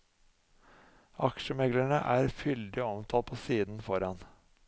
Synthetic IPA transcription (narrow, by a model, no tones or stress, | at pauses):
ɑkʃəmɛɡlæɳəʔæːɾfʏld̪ɪɔmt̪ʰɑːl̚pʰoːsiːd̪n̩fɔɾɑn